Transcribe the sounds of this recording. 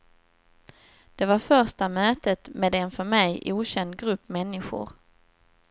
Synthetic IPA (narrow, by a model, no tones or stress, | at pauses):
d̪̥ɛvaɾfœɾʂʈamøːt̪ət̪meːd̪ɛnfœɾmɛjʔuːɕɛnd̪̚ɡɾɵpːmɛnːɪɧʊ̰ɾ